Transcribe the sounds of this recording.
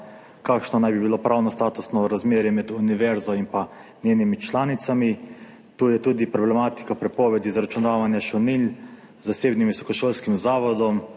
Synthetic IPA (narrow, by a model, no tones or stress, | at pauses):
kakʃnɔnajbibilopɾʔawnɔst̪aːt̪usnɔɾazmeːɾjɛmɛd̪uniʋɛɾzɔimpa | nʲjeːnimit͡ʃlaːnit̪sami | t̪uːjɛt̪uːd̪ipɾɔblɛmaːt̪i̥kapɾɛpɔːʋɛd̪izaɾat͡ʃunaːʋanjaʃɛwnil | zaseːbnimʋisɔkɔʃoːlskimzaːʋɔd̪ɔm